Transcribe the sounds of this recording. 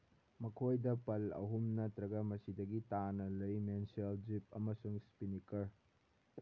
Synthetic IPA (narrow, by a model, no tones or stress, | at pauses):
mɐkʰojdɐpɐlɐ̰ɦumnɐtɾɐɡɐmɐsidɐɡitanɐlɐjmenseld͡ʒipɐ̰mɐsuŋspinikɐɾ